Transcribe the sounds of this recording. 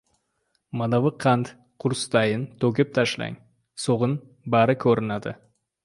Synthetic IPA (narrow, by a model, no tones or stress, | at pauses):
mad̪avɨqʰant̪ | qʰʊɾst̪ajɪnt̪ʰɵkʲɪp̚t̪ʰaʃla̰ŋ | soʁɨn | baɾɪkʲʰɵɾɪnad̪ɪ̰